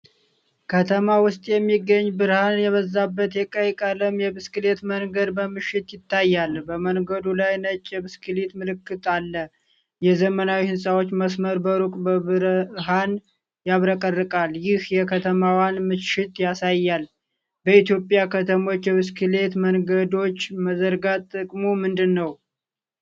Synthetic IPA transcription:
kʰət̪ʰəmawʊst̪ʼjɛmːiɡːəɲːbɨɾhanjɛβəzːabːət̪jɛkʼəjkʼələmjɛβɨskɨle̞t̪məŋɡəd̪bəmɨʃːɪt̪jɪt̪ʰːajːalbəməŋɡəd̪ulajnət͡ʃʼːɛβɨskʰɨlet̪mɨlɨkːɨt̪ʼalːə | jɛzəmənawihɨnsʼawo̞t͡ʃːməsməɾbəɾukʼbəβɨɾɦan | jaβɾəkʼərːɨkʼaljɪhjɛkʰət̪ʰəmawanmɨʃɪt̪jasajːal | bəit̪jo̞pʼjakʰət̪ʰəmo̞t͡ʃːjɛβɨskʰɨle̞t̪mənɡəd̪o̞t͡ʃːməzəɾɡat̪ʼːɨkʼmomɨnd̪ɨnːəw

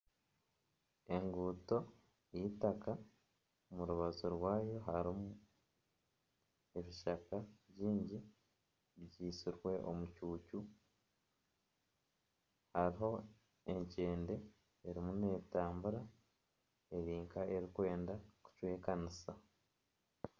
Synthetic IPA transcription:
e̞ŋɡuːto̞ | jitaka | muɾuβazoɾwaːjo̞ɦaɾimu | e̞βiʃakaβjiːɲɟi | βɟiːsiɾwe̞ʔo̞̰mucuːcu | haɾiɦo̞ | e̞ɲce̞ːnde̞ | eɾimune̞ːtaːmbuɾa | e̞ɾiːŋkae̞ɾikwe̞ːndaku̥cwe̞ːkanisa

